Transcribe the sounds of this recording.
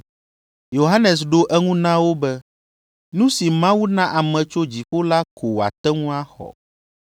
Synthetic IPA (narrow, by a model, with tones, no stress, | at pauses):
jo˨ɦa˦nɛ˨s̬ɖo˦ʔɛ˦ŋũ˦nã˦wo˦bɛ˦ | nũ˦si˨mã˦wu˦nã˦ʔa˨mɛ̃˨t͡ʃo˦d͡ʑi˨ɸo˦la˦kʰo˨wa̰˨t̪ɛ˦ŋũ˦a˦xɔ̰˨